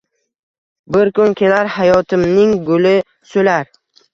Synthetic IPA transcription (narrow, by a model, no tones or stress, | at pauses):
bɪɾkʊnkʲʰe̞laɾhajɒt̪ʰɪmnɪŋɡʊlɪ | solaɾ